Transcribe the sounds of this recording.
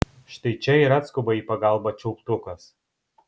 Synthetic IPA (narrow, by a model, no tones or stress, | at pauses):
ʃt̪ɐɪt͡ʃʲɛiːɾɐt̪skʊbɐiːpɐɡɑˑlˠbɐt͡ʃʲɛʊkt̪ʊkɐs